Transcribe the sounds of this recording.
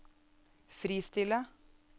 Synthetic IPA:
fɾiːst̪ɪlə

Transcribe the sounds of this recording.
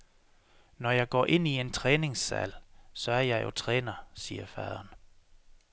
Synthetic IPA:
nɒjɑ̈ɪɡ̥ɒ̰ːʔe̝n̰ie̝nt͡sʰʁɛːne̝ŋsːæ̰lsɒ̽æɐjɑ̈ɪjo̝t͡sʰʁɛːnɐsiːɐfæðˠɐn

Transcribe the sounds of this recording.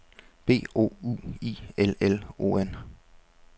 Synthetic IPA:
b̥e̝̰ːo̝̰ːuːḭːelelo̝̰ːen

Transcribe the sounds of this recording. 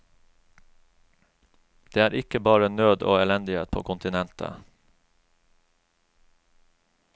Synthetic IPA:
d̪̥eːæːɾʔɪkəbɑːɹənøːd̪o̰ːɛlɛnd̪ɪheːt̪̚pʰoːkʰʊnt̪ɪnɛnt̪ʰə̰

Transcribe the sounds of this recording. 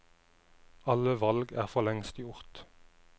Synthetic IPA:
ɑləʋɑlɡæːʁfɔʁlɛŋst̪jʊʁt̪

